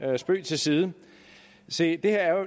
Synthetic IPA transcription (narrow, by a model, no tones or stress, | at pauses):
sb̥ø̰ːt͡sʰe̝lsiːð̞ˠə | sed̥e̝heɐæɐ